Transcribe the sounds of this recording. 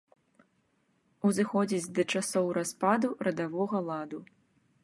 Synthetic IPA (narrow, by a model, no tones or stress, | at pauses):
uzɨxɔd͡zʲid͡zʲd̪ɐt͡ʂasɔwɾaspad̪uɾɐd̪avɔɣɐlˠad̪u